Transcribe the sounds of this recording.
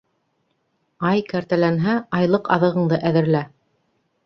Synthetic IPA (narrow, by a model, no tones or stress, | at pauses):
ɑjkæɾt̪ælænɦæɑjlˠɤqɑ̰ðɤ̆ʁɤ̆ɴd̪ɤʔæðɘ̆ɾlæ